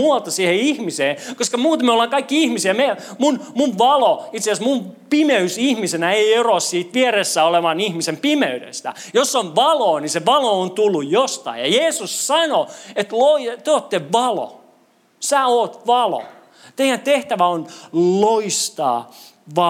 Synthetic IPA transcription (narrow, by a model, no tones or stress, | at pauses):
uɑlt̪ɑsiːheihmiseːkoskɑmuːt̪ɑmeolːɑːŋkɑikːiihmisiæme | munmunʋɑloit̪seæsmumpimeysihmisenæeierossiːt̪ʋieresːæoleʋɑnihmisempimeydḛst̪æ̰josːonʋɑloːniseʋɑloont̪ulːujjost̪ɑ̰ijjɑjeːsussɑnoet̪loit̪yøoːt̪t̪ːeʋɑlo̰ | sæːoːt̪ʋɑlo̰ | t̪eijænt̪eht̪æʋæonloist̪ɑ̰ː | ʋɑ